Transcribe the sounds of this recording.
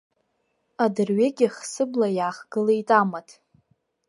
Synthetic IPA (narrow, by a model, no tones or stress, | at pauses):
adɨrɥeɡʲɪχsɨblajaːχɡɨlaitʼamatʰʼ